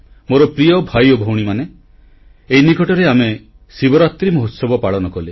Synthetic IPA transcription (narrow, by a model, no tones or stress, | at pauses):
moɾɔpɾiɔbʱajobʱowɽ̃imane | einikɔʈɔɾeame | sibɔɾat̪ɾimɔɦot̪sɔbɔpaɭɔnɔkɔle